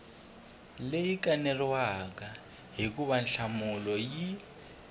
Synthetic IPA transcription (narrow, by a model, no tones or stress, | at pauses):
lejikʼanɛrwaka | ɦikuβanɬamulɔji